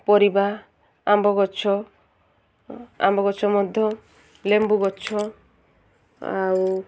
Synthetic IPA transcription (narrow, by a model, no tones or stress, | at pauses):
pɔɾiba | ambɔɡɔt͡ʃʰɔ | a̰mbɔɡɔt͡ʃʰɔmɔd̪ʱjɔ | lembuɡɔt͡ʃʰɔ | a̰u